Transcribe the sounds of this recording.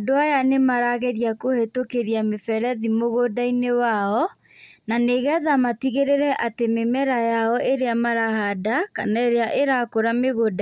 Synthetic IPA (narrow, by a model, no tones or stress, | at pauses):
doajanemaɾaɣeɾiakohetokeɾiamefɛɾɛðimoɣodainewaɔ | naneɣɛðamatiɣeɾeɾɛʔatememɛɾajaɔʔeɾeamaɾahadakanaeɾeaʔeɾakoɾameɣoda